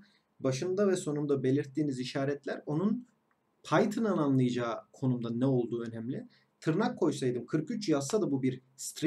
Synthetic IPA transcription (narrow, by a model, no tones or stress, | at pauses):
baʃɯnd̪avɛso̞numd̪abe̞lʲiɾt̪ːiːniziʃaːɾɛt̪lʲæɾo̞nun | pʰajt̪ʰɯnananlˠɯjad͡ʒaːkʰo̞numd̪anːɛo̞lˠd̪uːø̞nɛmlʲɪ | t̪ʰɯɾnakʰːo̞jsajd̪ɯmkʰɯɾkyt͡ʃjasad̪abubiɾ | st̪ɾ